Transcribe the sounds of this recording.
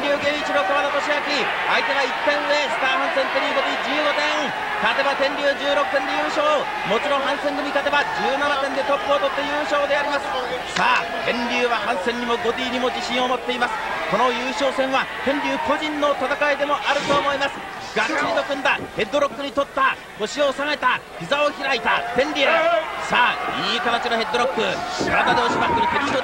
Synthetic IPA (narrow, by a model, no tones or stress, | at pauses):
ɾʲɨːɡẽ̞ɰ̃it͡ɕino̞koβad̪at̪oɕijakʲi | ait̪e̞ɡait̪ːẽ̞ɰ̃ɯ̟e̞sɨ̥t̪aːhɯ̃ñsẽ̞nt̪oɲʲiɡomʲid͡ʑɨːɡo̞t̪ẽ̞ | t̪at̪ebat̪ẽ̞ɲɾʲɨːd͡ʑɨːɾo̞kɯ̟̥t̪ẽ̞nd̪ejɯːɕo̞ː | mo̞t͡ɕiɾõɦãɰ̃sẽ̞ŋɡɯ̟mʲikat̪ebad͡ʑɨːnanat̪end̪e̞t̪o̞pːɯt̪o̞t̪ːe̞jɯːɕo̞ːd̪e̞aɾʲimasɨ̥ | saː | t̪ʰẽ̞ɲɾʲɨːβahãɰ̃sẽ̞ɲɲimo̞ɡo̞d̪ʲiːɲ̟imo̞d͡ʑiɕĩo̞mo̞t̪ːe̞imasɨ̥ko̞no̞jɯːɕo̞ːsẽ̞ɰ̃βat̪ẽ̞ɲɾʲɨːko̞ʑĩnːo̞t̪at̪akaid̪e̞mo̞ʔaɾɯ̟t̪o̞ːmo̞imasɨ̥ | ɡ̥asiɾʲino̞kɯ̟̃nd̪ahe̞d̪oɾo̞kːɯ̟ɲ̟it̪o̞t̪ːa | ɡo̞ɕio̞saŋaet̪açʲizao̞çiɾait̪at̪ẽ̞ɲɾʲiːasaːiːkat̪at͡ɕiɾoɦe̞d̪ːoɾo̞kːɯ̟ɕiɾamad̪e̞oɕibakɯɾʲit̪eɾʲit̪o